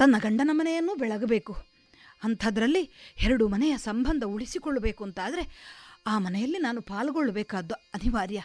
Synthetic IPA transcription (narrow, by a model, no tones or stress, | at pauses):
t̪ɐnːɐɡɐɳɖɐnɐmɐnɛjɐnːuːbɛɭɐɡɐbe̞ːku | ɐnt̪ʰɐd̪ɐɾɐlːihɛɾɐɽumɐnɛjɐsɐmbʱɐnd̪ʱɐuɭisikoɭːɐbe̞ːkuɐnt̪aːd̪ɐɾe̞aːmɐnɛjɐlːinaːnupaːlɐɡoɭːɐbɛːkaːd̪ːuɐniʋaːɾjɐ